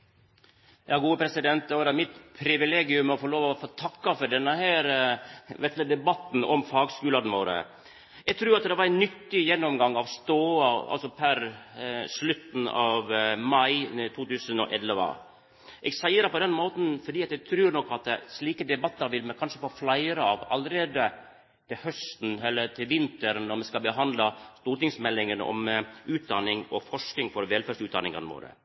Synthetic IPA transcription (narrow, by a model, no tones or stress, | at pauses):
jɑːɡuːəpʰɾɛsɪd̪ɛnt̪̚d̪ɛɔɾæɾmɪt̪pʰɾɪʋɪleːɡɪʉmɔfɔɭoːʋɔɔfoːt̪ʰɑkːɑfɔɖɛnːəɦæːɾʋɛt̪ləd̪ɛbɑt̪ːn̩ɔ̰mfɑːɡskʉːlɑd̪n̩ʋoːɾə̰ | ɛɡt̪ʰɾʉːɾɑt̪d̪ɛʋɑɾɛnːʏt̪ːɪjɛnːɔmɡɑŋːɑʋst̪oːɑɑ̰lsɔpʰæɾslʉt̪n̩ɑʋmɑɪt̪ʰuːt̪ʉːsənɔ̰ʔɛlːʋə̰ | ʔɛɡsæɪəɾəpɔd̪ɛnmoːt̪n̩fɔɖiːɑt̪d̪ɛɡt̪ʰɾʉːɾnɔkːɑt̪̚ɛsliːkəd̪ɛbɑt̪ːɑɾʋɪlmɛkʰɑnʂəfoːflæɪɾəɑʋɑlːəɾeːd̪ə | t̪ʰɪlhœst̪n̩ɛlːəɾʈ̪ʰɪlʋɪnt̪əɾnɔɾmɛskɑbəɦɑnd̪lɑst̪uːɾʈɪŋsmɛlːɪŋənɔ̰mʔʉːt̪̚d̪ɑnɪŋɔfɔʂknɪŋfɔɾʋɛlfæːʂʉːt̪̚d̪ɑ̰nɪ̰ŋɑ̰nʋo̰ːɾə̰